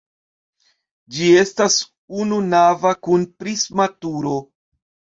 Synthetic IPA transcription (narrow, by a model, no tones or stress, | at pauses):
d͡ʒie̞stas | ununavakunpɾismatuɾo